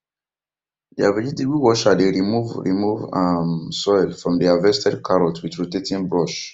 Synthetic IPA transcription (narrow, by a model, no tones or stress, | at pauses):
diavɛd͡ʒitiɡiwɔʃadeɹimuvɹḭmuvãmsɔɪlfɹɔ̃mdiavɛstʰɛdkʰaɹɔtwitɹotetĩnbɹɔʃ